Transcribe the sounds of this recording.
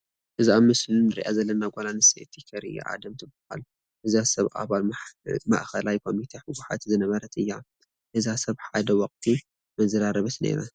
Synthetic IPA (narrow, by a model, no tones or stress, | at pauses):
ʔɨziaβmɨslinɨɾḭʔazɐlːɐnaɡʼolanɨsḛt̪ʰikʰɐɾɨja̰ʕa̰d̪ɐmt̪ʰɨbɨha̰l | hɨzasɐβʔa̰βalma̰ʔxɐlajkʰo̞mit̪ʰeħɨɡuħa̰t̪zɨnɐβɐɾɐt̪ɨjːa | hɨzasɐβħad̪ɐwɔqʼt̪ʰi | mɐzɐɾaɾɐβɨt̪nḛɾɐ̰